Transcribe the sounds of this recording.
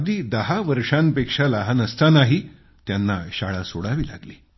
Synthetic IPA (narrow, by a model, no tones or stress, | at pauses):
d̪iːd̪əɦaʋəɾʂãnpekʂalaɦanəst̪anaɦi | t̪janːaɕaɭasoɽaʋiːla̰ɡliː